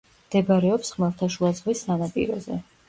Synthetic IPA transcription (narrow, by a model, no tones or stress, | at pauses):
md̪̥ɛbaɾɛɔpsχmɛlˠt̪ʰaʃuad̪zʁvisːanapʼḭɾɔ̰zɛ̰